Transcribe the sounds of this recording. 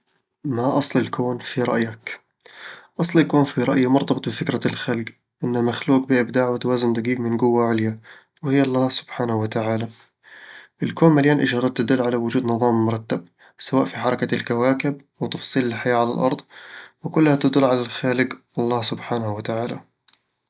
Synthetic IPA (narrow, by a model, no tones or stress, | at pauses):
maʔɑsˤlɪlkoːnfiɾˤɑ̰ʔjak | ʔɑsˤlɪlkoːnfiɾˤɑʔjamʊɾt̪ˤɑbɨt̪ˤbɪfɪkɾalxalɡ | ʔɪnːamaxluːq̚bɪʔɪb̚d̪aːʕwɪt̪awaːzɪmd̪aɡiːɡmɪnɡʊwːaʕɪlja | wɪhɪjːɑlˤːɑːsʊ̥b̥ħaːnahwat̪aʕaːla | ʔɪlkoːnmaljaːnʔɪʒɑɾˤɑdt̪̚t̪ːad̪ʊlːʕalawʊd͡ʒuːd̪nɨðˤɑːmmʊɾˤɑt̪ːab̚ | sawaːʔfiħɑɾˤɑkalkawaːkɪbʔawt̪ɑfsˤiːlɪlħajaːʕala̰lʔɑ̰ɾˤd̪ˤwɪkʊlːhat̪ad̪ʊlːʕalalxaːlɪɡʔɑlˤːɑːhsʊbħaːnahwat̪aʕaːla̰